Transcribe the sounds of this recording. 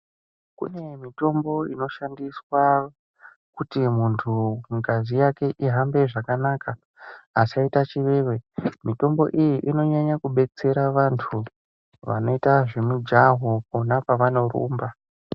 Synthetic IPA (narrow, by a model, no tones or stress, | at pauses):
kṵne̞mito̞mbo̞ino̞ʃandiswa | kutimuntʰuŋkazijake̞ʔiɦambe̞ʐakanaːkaː | t͡ʃaitat͡ʃiʋeːʋe̞mito̞mbo̞̰ʔijiʔino̞ɲaɲakuɓe̞t͡se̞ɾaʋantʰu | ʋa̰no̞itaʐemud͡ʒaɦo̞ponapaʋano̞rṵːmba